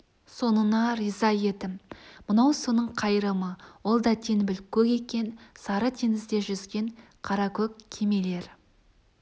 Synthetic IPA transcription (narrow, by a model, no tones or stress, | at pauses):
so̞nənɑɾizɑje̞d̪ɪmmʊnɑwsonəɴqʰɑjɾəməwo̞lˠd̪ɑt̪ʰe̞nbɪlkʲʰɵkʲe̞kʲe̞nsɑɾət̪ʰeŋɪzd̪e̞ʒʏzɡʲe̞ɴ | qʰɑɾɑkʲʰɵkʲʰːe̞me̞le̞ɾ